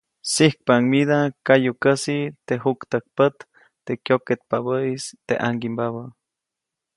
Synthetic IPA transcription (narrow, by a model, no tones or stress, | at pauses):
sihk̚paŋmiðakajukəsit̪eɦukt̪ək̚pət̪ː | ekjoket̪̚paβəist̪ḛʔaŋɡimbaβə